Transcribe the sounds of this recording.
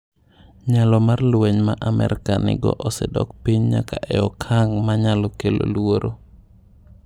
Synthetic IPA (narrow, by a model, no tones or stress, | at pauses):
ɲalɔmarlweɲmaʔamɛ̰ɾkanɪ̰ɡɔ̰ʔɔsɛdɔkpiɲɲa̰kaʔɛɔkʰaŋmaɲalɔkelo̰lwoɾʔo